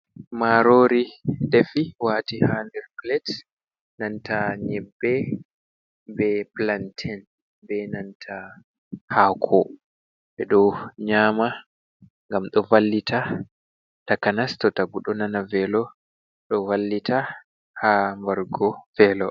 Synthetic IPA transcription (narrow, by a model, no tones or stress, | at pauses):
maɾoːɾidefiwaːtihandɛɾplɛt | nantaɲɛbːɛ | bɛplantʰɛn | bɛnantʰa | hakʰɔ | ɓɛɗɔɲaːma | ŋɡamɗɔvalːitʰa | takanastɔtaɡuɗɔnanavɛlɔ | ɗɔvalːita | hambaɾɡɔvɛlɔ